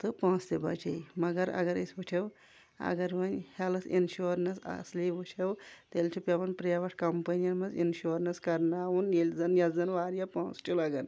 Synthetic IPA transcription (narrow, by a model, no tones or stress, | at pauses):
t̪ɨpãːst̪ʲebɐt͡ʃʰɐimɐɡɐɾɐ̰ɡɐɾɐsʲʋut͡ʃʲʰɐw | ɐ̰ɡɐɾʋɐnhalɐsinʃuɾnɐsɐ̰sliʋut͡ʃʰɐwt̪elt͡ʃʰupʲaʋɐnpɾjaʋɐʈʰkɐmpɐnijɐnmɐzḭnʃuːɾnɐskɐɾnaːwunjelʲzɐnjɐzɐnʋaːɾjapãːst͡ʃʰulɐɡɐn